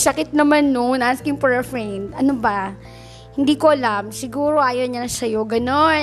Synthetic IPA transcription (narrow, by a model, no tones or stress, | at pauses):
sɐkɪt̪̚nɐmanːonaskɪŋpɛɹfɹɛnd̪ɐnobɐ | hɪnd̪iːkoʔɐlamsɪɡuːɾo̞ʔaːjoɲasɐjo̞ɡɐno̞n